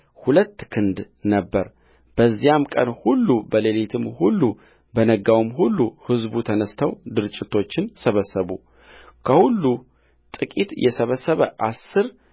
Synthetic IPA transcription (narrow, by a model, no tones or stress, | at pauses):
hulət̪ːkʰɨnd̪ | nəbːəɾ | b̥əzːijamkʼənhulːubəlelet̪ʰɨmhulːu | bənəɡawɨmɦulːuhɨzbut̪ʰənəst̪ʰəwd̪ɨɾɨt͡ʃʼːɪt̪ʰo̞t͡ʃːɪnsəβəsːəβu | kʰəhulːu | t̪ʼɨkʼit̪jʔɛsəβəsːəβəʔasːɨɾ